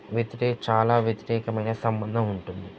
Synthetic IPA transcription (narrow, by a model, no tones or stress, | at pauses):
ʋjet̪iɾɛːkt͡ʃaːlaːʋjɐt̪iɾɛːkɐmɐjnɐsɐmbɐnd̪ʱɐmuɳʈund̪i